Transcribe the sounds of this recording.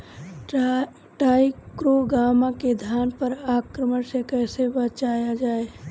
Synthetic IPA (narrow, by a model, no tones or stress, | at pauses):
ʈaikɾoɡamaked̪ʱjanpəɾakɾəmənsekəːsebət͡ʃajad͡ʒae